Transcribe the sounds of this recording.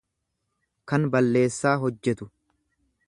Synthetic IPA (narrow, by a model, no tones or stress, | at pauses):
kɐnbɐlːe̞ːsːaːɦɔd͡ʒːɛt̪ʊ